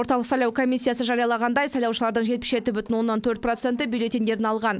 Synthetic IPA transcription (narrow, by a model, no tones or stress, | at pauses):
o̞ɾt̪ɑlˠəqsɑjlˠɑwkʰo̞mʲisʲːijɑsəʒɑɾijɑlˠɑʁɑnd̪ɑjsɑjlˠɑwʃəlˠɑɾd̪əɴʒepɪ̥sʒe̞t̪ɪbʏt̪ɪnwo̞nːɑnt̪ʰɵɾt̪̚pro̞t̪se̞nt̪ɪbʲijlʲe̞t̪end̪e̞ɾɪnɑlˠʁɑn